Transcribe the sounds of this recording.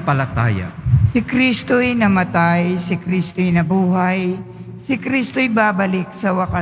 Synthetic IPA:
pɐlɐt̪a̰ːja̰sɪkɾist̪ojnɐmɐt̪ajsɪkɾist̪ojnɐbuːɦaj | sɪkɾist̪ojbaːbɐlɪk̚sɐwɐka

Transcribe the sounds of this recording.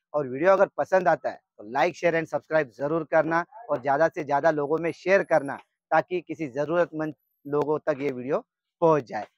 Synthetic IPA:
ɔːɾʋiːɖijoɐɡəɾpɐsə̃nd̪aːt̪aɦɛ̰t̪olaːɪkʃeːəɾɛ̃ːɳɖsɐbskɾaːɪbzɐɾuːɾkɐɾnaɔːɾzjaːd̪asezjaːd̪aloːɡõmẽʃeːəɾkɐɾna̰ | t̪aːkikɪsizɐɾuːɾət̪mɐ̃nd͡ʒ | loːɡõt̪ɐkjeʋiːɖijo | pɔ̃ɦʊt͡ʃd͡ʒaːeː

